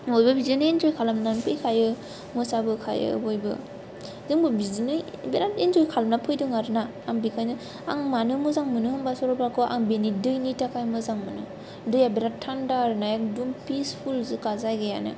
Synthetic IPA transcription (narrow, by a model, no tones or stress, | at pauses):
bɔjbɯbizinɯind͡ʒojkʰalamnanpʰɯjkʰajɯ | mɯsabɯkʰa̰jɯ̰bojbɯ̰ | zɯŋbɯbizinɯbeɾatind͡ʒojkʰalamnapʰɯjdɯŋaɾɯnaːŋbikʰajnɯ | aŋmanɯmɯzaŋmɯnɯhɯmbasɔɾɔpɾakɔʔa̰ŋbenidɯjnitakʰajmɯzaŋmɯnɯ̰ | dɯjabiɾattʰːandaɾɯnajaŋdumpispʰulzɯkazajɡaja̰nɯ̰